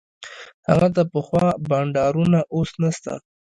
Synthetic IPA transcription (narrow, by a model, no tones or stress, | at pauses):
ha̰ɣat̪apəxwɑbaɳɖɑɾunaʔosnast̪a̰